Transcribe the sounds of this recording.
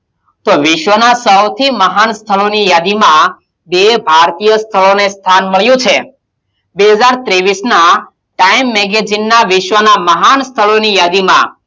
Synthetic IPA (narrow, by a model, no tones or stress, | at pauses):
t̪oʋɪʃʋənasəwt̪ʰiməɦanst̪ʰəɭonijad̪imã | bebʱaɾt̪ijəst̪ʰəɭonest̪ʰanməɭjũt͡ʃʰe | beɦəd͡ʒaɾt̪ɾeʋisna | ʈaimːɛɡed͡ʒinːaʋɪʃʋənaməɦanst̪ʰəɭonijad̪imã̰